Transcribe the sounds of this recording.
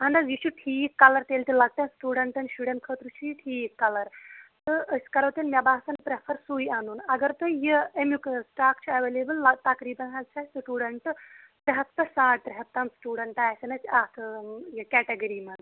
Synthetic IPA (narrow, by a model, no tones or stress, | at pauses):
ɦɐnd̪ɐzjit͡ʃʰuʈʰiːkːɐlɐɾt̪eːlʲt̪ilɐɡ̚ʈ̪ɐnsʈuːɖɐɳʈɐnʃuɽɐnʈkʰəːt̪ɾut͡ʃʰiʈʰiːkːɐlɐɾt̪ɨəsʲkɐɾɐːt̪inmʲɐbaːsɐnpɾepʰɐɾsuːjaːnuːnɐɡɐɾt̪ɨjiemjuksʈaːkt͡ʃʰiɐʋeːlebɨlt̪ɐkɾiːbɐnɦɐzt͡ʃʰaːsʈuːɽɐɳʈ̪ | ɾɐɦɐt̪t̪ːɐsaːʈ̚t̪ɾɐɦɐp̚t̪ɐmsʈuːɽɐɳʈaːjsɐnɐsaːt̪ʰɨjɐkɛːʈeɡɐɾiːmɐn